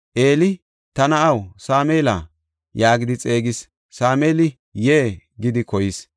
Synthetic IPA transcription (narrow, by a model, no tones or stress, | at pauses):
ʔe̞ːlɪ | t̪ɐnɐɐwsaːmeːla̰ː | jaːɡɪd̪ɪt͡sʼe̞ːɡɪsː | aːmeːlɪ | jeːɡɪd̪ɪkɔjɪs